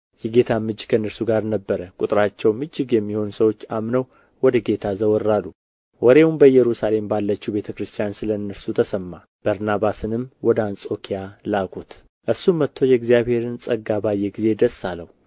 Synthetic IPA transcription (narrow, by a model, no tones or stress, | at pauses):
jɛɡe̞t̪ʰamɨd͡ʒkʰəɨnːəɾsuɡaɾnəbːəɾəkʼut̪ʼɾat͡ʃːɛwmɨd͡ʒːɨɡjɛmːiho̞nsəwo̞t͡ʃːamnəw | wɔd̪əɡe̞t̪ʰazəwɔɾːalːu | wɔɾe̞wumbəjɛɾusale̞mbalːət͡ʃːube̞t̪ʰəkɾɨst̪ʰijansɨləɨnːəɾsut̪ʰəsəmːa | b̥əɾnaβasɨnɨmwɔd̪ansʼo̞kʰijalaɡut̪ | ʔɨɾsumːət̪ʰːo̞jɛɡzijaβhe̞ɾɨnsʼəɡːabajːɛɡize̞d̪əsːaləwu